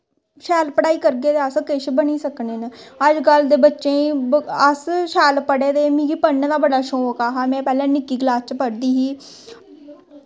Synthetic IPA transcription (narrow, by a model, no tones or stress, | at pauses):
ʃɛːlpəɽaːiːkəɾɡeːd̪eːəskɪʃbəniːsəkneːnəəd͡ʒɡəld̪eːbətːʃẽːiəsʃɛːlpəɽeːd̪eːmĩːɡiːpəɳd̪aːbəɖaːʃoːokaːɦaːmɛ̃ːpɛːlẽːnɪkːiːɡɪlaːt͡ʃpəɽd̪iːɦiː